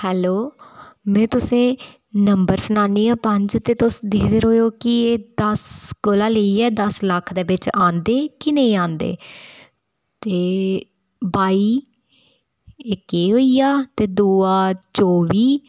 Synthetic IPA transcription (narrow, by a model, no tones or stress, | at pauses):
hɛːloːmɛ̃ːt̪ʊsẽː | nəmbəɾsənãːniːãːpəɲd͡ʒt̪eːt̪ʊsd̪iːd̪eɾɦoːjoːkɪeːd̪əsɡoːlaːləiːɛːd̪əsləkʰd̪eːbɪt͡ʃãːnd̪eːkɪnəĩːãːnd̪ḛː | t̪eː | baːiː | ɪkeːɦoːijaːt̪eːd̪uːaːt͡ʃɔːʋiː